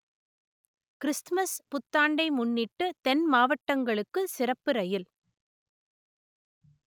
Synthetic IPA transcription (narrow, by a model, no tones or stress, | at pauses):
kɪɾɪstmɐspʊt̪ːaːɳɖɐɪmʊnːɪʈːɯt̪ɛnmaːʋɐʈːɐŋɡɐɭɯkːɯsɪrɐpːɯɾɐjɪl